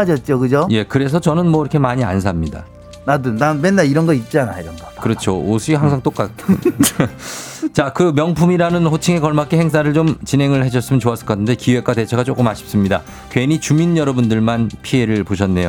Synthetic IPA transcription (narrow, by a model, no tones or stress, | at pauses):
ad͡ʑʌt̚t͡ɕ͈okɯd͡ʑoje̞kɯɾe̞s̬ʰʌt͡ɕʌnɯnmwʌiɾʌkʰemaɲia̰ns̬ʰamɲida̰ | nadɯnnawenːaiɾʌnɡʌit̚t͡ɕ͈ianaiɾʌnɡʌkɯɾʌt͡ɕʰoosʰɯiɦaŋsʰaŋt͈ok͈at̚kʰ | t͡ɕakɯmjʌŋpʰumiɾanɯnɸot͡ɕʰiŋe̞kʌɭmak͈̚ehe̞ŋs̬͈ʰaɾɯɭt͡ɕomt͡ɕinɦe̞ŋɯɭheɕ̬ʰʌs͈ɯmjʌnt͡ɕoas͈ɯɭk͈atʰɯnde̞kiwe̞k͈wate̞t͡ɕʰeɡat͡ɕ͈ok͈ɯmaɕʰips͈ɯmɲida̰ | kwe̞nit͡ɕuminjʌɾʌbundɯɭmanpʰie̞ɾɯɭpoɕʰʌnːe̞jo